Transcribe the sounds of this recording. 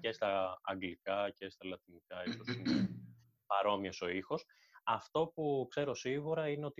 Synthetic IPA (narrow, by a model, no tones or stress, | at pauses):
ce̞st̪ɐːŋɡlikɐce̞st̪ɐlɐt̪inikɐist̪osin | pɐɾo̞miɐso̞ixo̞s | ɐft̪o̞pukse̞ɾo̞siɣuɾɐine̞o̞t̪i